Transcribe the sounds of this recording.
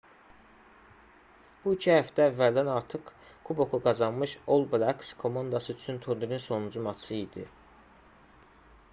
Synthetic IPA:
b̥uicʰihæft̪æːvːæld̪ænɑɾt̪ʰɯq | kʰubo̞kuɡɑzɑnmɯʃolˠblækskʰo̞mɑnd̪ɑsɯyt͡ʃʰynt̪ʰuɾd̪iɾinso̞nud͡ʒumɑt͡ʃʰɯid̪i

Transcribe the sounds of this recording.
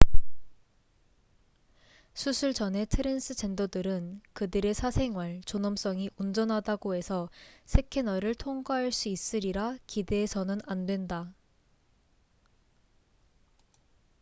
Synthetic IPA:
sʰusʰuɭt͡ɕʌne̞tʰɯɾensʰɯt͡ɕe̞ndodɯɾɯnkɯdɯɾe̞sʰasʰe̞ŋwaɭt͡ɕonʌms͈ʌŋiʔund͡ʑʌnɦadaɡoe̞sʰʌsʰe̞kʰenʌɾɯɭtʰoŋɡwaɦaɭs͈uis͈ɯɾiɾakide̞ːsʰʌnɯnandwe̞nda

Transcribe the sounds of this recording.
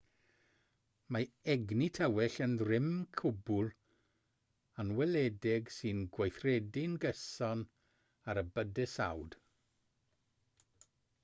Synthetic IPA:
maɛɡnitʰəwɛɬənðrɪmkʰʊbʊlˠ | anwɛlɛdɪɡsɨnɡwajθrɛdɪnɡəsɔn | aɾəbədɨsa̰wd̥

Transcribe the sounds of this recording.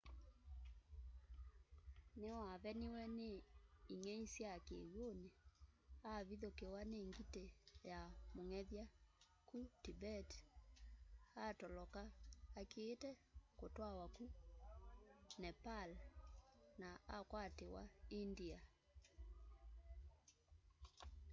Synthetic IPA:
newaβɛniwɛneiŋɛisjakewoneaβiðokewaneŋɡitejamoŋɛðja | kutibɛt | atɔlɔkaːkeːtɛkotwawaku | nɛpal | naakwatewa̰india

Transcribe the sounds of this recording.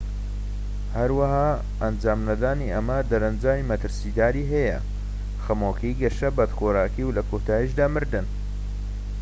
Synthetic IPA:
hɐɾwɐhaː | ɐnd͡ʒaːmnɐd̪aːniɐmɐd̪ɐɾɐnd͡ʒaːmimɐt̪ɨɾsid̪aːɾiːɦɐjɐ̰ | xɐmoːkʰijɡɐʃɐbɐd̪xoɾaːkiwlɐkʰot̪ʰaːjiʃd̪aːmɨɾd̪ɨn

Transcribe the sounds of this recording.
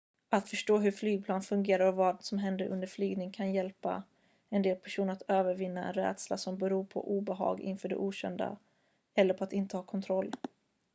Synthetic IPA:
at̪fœʂʈoːɦɵɾflyːɡ̚pʰlɑːnfɵŋɡeːɾaɾɔvɑːd̪sɔmɦɛnd̪əɾʔɵ̰nd̪əɾflyːɡnɪŋkʰanjɛlpa̰ | ɛnd̪eːlpʰæʂuːnəɾat̪øːvəɾvɪnːaɛ̰nɾɛ̰ːd̪sla̰sɔmbɛɾuːpʰɔ̰ʔuːbɛɦɑ̰ːɡɪ̰nfœːɖɛ̰ʔuːɕɛ̰nd̪a̰ | ɛlːəɾpʰɔat̪ɪnt̪əhɑːkʰɔnt̪ʰɾɔlː

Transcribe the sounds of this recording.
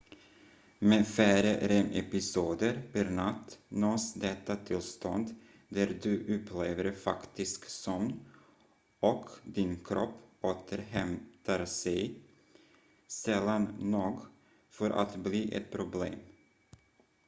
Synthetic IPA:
mɛfæːɾəɾɛmʔɛ̰pɪsuːd̪əɾpʰɛɾnat̪ːnoːsd̪ɛt̪ːat̪ʰɪlst̪ɔnd̪ | d̪æɾd̪ɵʔɵpʰːleːvəɾfa̰kt̪ɪsksɔmn | ɔkd̪ɪnkʰɾʔɔpːoːt̪ʰəɾɦɛmt̪aɾsɛj | sɛlːannoːɡ | fœɾʔa̰t̪bliːʔɛ̰t̪̚pʰɾʊblḛːm

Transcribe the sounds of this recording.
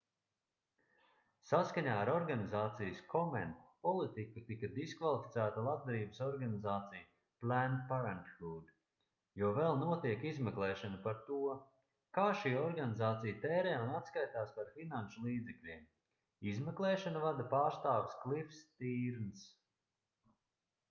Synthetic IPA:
saskaɲaːɾɔɾɡanizaːt̪sijskʰɔmɛnt̪pɔlˠit̪ikut̪ikɐd̪iskvalˠifit̪sæːt̪alˠad̪̚d̪aɾiːbsɔɾɡanizaːt̪sij | plænpaɾant̪xuːd̪ | juɔvɛlˠnuɔt̪iɛkizmɛklˠɛːʃanɐpaɾt̪uɔ | kaːʃiːɔɾɡanizaːt̪sijət̪ɛːɾɛːunat̪skajt̪aːspaɾfinanʃulˠiːd̪zɛklʲiɛm | izmɛklˠɛːʃanɐvad̪apaːɾst̪aːʋɪsklˠifst̪iːɾns

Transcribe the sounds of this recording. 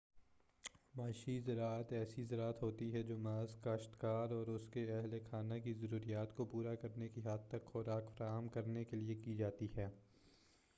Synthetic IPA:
maːʃizɐɾaːət̪ɛːsizɐɾaːət̪ɦoːt̪iɦɛd͡ʒoːmaːzkɐʃt̪kaːɾɔːɾʊskeɐɦlexʰaːnãkizɐɾuːɾijaːt̪kopuːɾakɐɾnekiɦaːt̪t̪ɐkxʊɾaːkfɐɾaːɦəmkɐɾnekeliekid͡ʒaːt̪iɦɛː

